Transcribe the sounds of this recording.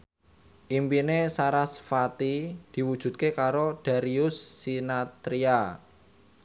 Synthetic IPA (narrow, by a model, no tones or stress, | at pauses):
ʔimpinesaɾasfat̪id̪̥i̤wud̥ʒ̥ṳd̪̚kekaɾod̪̥a̤ɾiʊsːinat̪ɾia